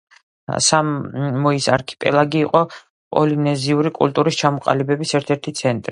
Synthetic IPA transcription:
samːɔisaɾkʰi̥pʼɛ̰lˠaɡiːqʼɔ | pʼɔ̰linɛziuɾikʼṵlt̪ʼuɾist͡ʃʰamɔqʼa̰libɛbisɛɾt̪ʰɛɾt̪ʰit̪sʰɛnt̪ʼɾi

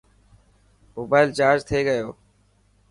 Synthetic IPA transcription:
moːbaːɪlt͡ʃaːɾd͡ʒt̪ʰeːɡəjoː

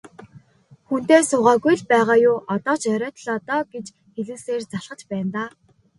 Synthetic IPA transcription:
xun̥t̪eːsʊʁaːɣujɮpæːʁaːjʊːʔɔt̪ɔːt͡ɕæɾʲœːt̪ɮɔːt̪ɔːɡet͡ɕ | xeɮŭːseːrt͡saɮχə̆t͡ɕpæːnt̪aː

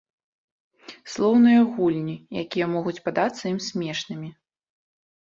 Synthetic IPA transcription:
slˠɔwnɨjɐɣulʲnʲija̰kʲijɐmɔɣut͡sʲpad̪at̪sːɐimsʲmʲɛʂnɨmʲi

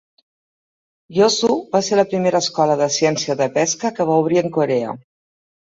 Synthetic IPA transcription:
josuβaseɾləpɾimeɾəːskɔləðəsiɛnsiəðəpɛskəkəβ̞auβ̞ɾiəŋkoɾɛə̰

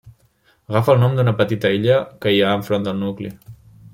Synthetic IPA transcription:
ɣafəlˠnɔmd̪unəpət̪it̪əiʎəkəiaəɱfɾond̪əlˠnukli

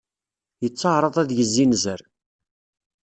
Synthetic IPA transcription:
jət͡sːəʕɾˤəðˤæðjəzːinzəɾ

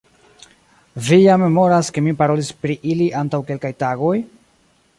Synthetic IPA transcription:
vijame̞mo̞ɾaske̞mipaɾo̞lispɾiʔiliʔantawke̞lkajtaɡo̞j

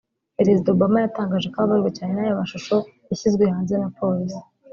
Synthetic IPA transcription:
peɾezidaobamajataːŋɡaːʒekaβaβaɾɡacaːnenajomaʃuʃo̞ | jaçizɡwehaːnzenapʰo̞ɾizi

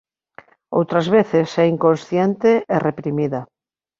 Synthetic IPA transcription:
o̰wt̪ɾazβeθesɛiŋkonsθjent̪eʔerepɾimiða

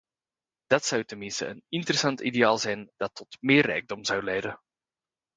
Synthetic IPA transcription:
d̥ɑtsɑwtənmɪnstə̰ənɪntərəsɑntideaːlˠzɛjnd̥ɑtʰːɔtmɪːrːɛ̰jɡ̚dɔmzɑwlɛjdə

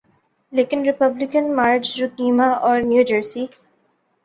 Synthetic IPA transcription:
leːkɪnɾɪpəblɪkə̃nmaːɾt͡ʃɾʊkiːmaɔːɾmjuːd͡ʒəɾsiː

